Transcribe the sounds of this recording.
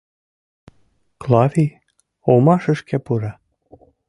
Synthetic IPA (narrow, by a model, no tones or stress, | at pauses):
klˠɑvʲi | omɑʃə̆ʃkʰæpuɾɑ